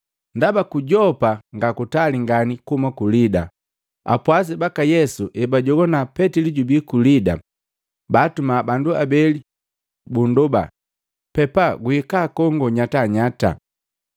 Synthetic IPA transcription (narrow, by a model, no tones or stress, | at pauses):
ndabakuɟɔpaŋɡakutaliŋɡanikumakulida | a̰pwas̬ɛbakajɛsuʔɛbaɟɔɡɔnapɛtiliɟubikulida̰ | baːtumabanduabɛli | bunduba̰ | pɛpaɡuikakɔŋɡɔɲataɲata̰